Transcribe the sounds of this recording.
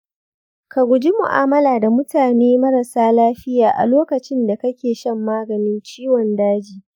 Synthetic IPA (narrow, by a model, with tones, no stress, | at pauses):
ka˨ɡʷʊ˨d͡ʒi˦mʊ̰˨ʔa̰ː˦mɐ˦laː˨da˨mʊ˦taː˨neː˦mɐ˦ɾɐ˨saː˦laː˦ɸɪ˦jaː˨ʔa̰˨loː˦kɐ˨t͡ʃɪ˦nda˨kɐ˦kʲeː˨ʃɐ˦mːaː˦ɡɐ˨nɪ˦nt͡ʃiː˦wɔ˨ndaː˦d͡ʒiː˨